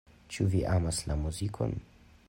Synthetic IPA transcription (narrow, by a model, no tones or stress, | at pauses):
t͡ʃuviʔamaslamuzikʰo̰n